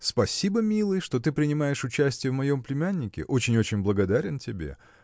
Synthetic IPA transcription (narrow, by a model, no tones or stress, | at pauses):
spɐsʲibəmʲilˠɨjʂt̪o̞t̪ɨpɾʲɪnʲɪmajɪʂʊt͡ɕæsʲtʲɪjəvmɐjo̞mplʲɪmʲænʲːɪkʲɪ̰ʔo̞t͡ɕɪnʲo̞t͡ɕɪnʲblˠəɡɐd̪aɾʲɪntʲɪbʲe̞̰